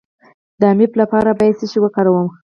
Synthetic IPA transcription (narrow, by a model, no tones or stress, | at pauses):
d̪əamiplapɑɾabɑjad̪siʃiwəkɑɾawəm